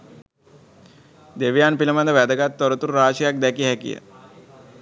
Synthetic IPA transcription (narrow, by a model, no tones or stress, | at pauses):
d̪eʋejanpiləmand̪əʋæd̪əɡat̪ːoɾət̪uɾɾaːʃəjak̚d̪ɛkiɦækḭjə̰